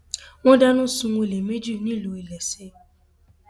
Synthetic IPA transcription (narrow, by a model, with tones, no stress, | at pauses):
ŋʷɔ˦da˦nʊ̃˦sʊ˨ŋʷo˦˨le˨me˦d͡ʒu˦˨ni˦˨lo˨i˨le˨sɪ˦